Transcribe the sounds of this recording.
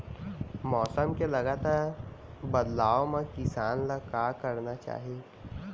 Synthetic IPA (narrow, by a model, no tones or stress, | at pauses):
mɔːsəmkelɐɡaːt̪aːɾ | bɐd̪laːomẽkɪsaːnləkaːkəɾnat͡ʃa̰ːɦie